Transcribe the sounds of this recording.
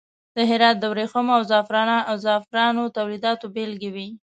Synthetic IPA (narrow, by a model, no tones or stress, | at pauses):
d̪̥əɦɪɾɑt̪̚d̪əwɾexəmoawzɑfɾɑnaawzɑfɾɑnot̪awlid̪ɑt̪obelɡewi